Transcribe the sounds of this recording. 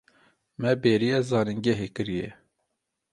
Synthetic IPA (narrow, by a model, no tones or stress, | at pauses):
mɛbeːɾijɛzɑːniŋɡɛɦekɨɾijɛ